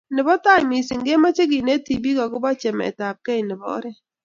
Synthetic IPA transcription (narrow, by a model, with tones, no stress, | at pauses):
nɪ˨bɔ˦ta˦˨mi˨sɪ˨ŋɡe˦ma˦t͡ʃe˦ɡɪ˨ne˦ti˨bi˦ɡɔ˨ɡʊ˦bɔ˦t͡ʃɛ˨m̰˨ta˨p̚kɛ˦i˨nɪ˨bɔ̰˨˦ɾɛ˦